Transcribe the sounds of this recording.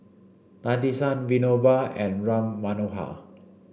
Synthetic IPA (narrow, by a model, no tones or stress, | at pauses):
t̪ãnd̪isãnvinobaɛ̃nɹãmːanoɦa̰